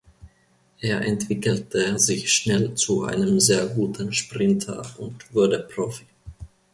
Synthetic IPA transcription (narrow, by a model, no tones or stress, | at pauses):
ʔeːɐʔɛ̰ntv̥ɪkl̩təzɪçʃnɛlt͡suʔa̰ɪnəmzeːɐɡuːtn̩ʃpʁ̥ɪntʰɐ̰ʔʊntv̥ʊɐdəpʁ̥ofi̥